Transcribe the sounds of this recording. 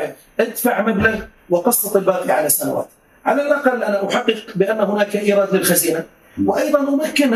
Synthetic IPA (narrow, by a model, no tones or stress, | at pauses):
ʔad̪faʕmab̪la | wɪqɑsˤːɑt̪ˤɪlbaːqiʕalasːanawa̰ːt̪ | ʕalalʔɑqɑlːʔanaʔaħɑqːɨqbɪʔanːahʊnaːkʔiːɾˤɑːd̪lɪlxaziːna | wɪʔɑjðˤɑnʔʊmakːɪn